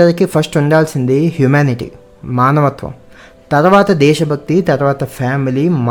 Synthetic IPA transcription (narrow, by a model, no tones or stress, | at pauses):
ɐɾɐkːipʰɐsʈuɳɖaːlsind̪ehjumaːniʈḭ | maːnɐʋɐt̪ʋɐ̰m | t̪ɐɾʋaːt̪ɐd̪ɛːʃɐbʱɐk̚t̪it̪ɐɾʋaːt̪ɐfʰaːmilim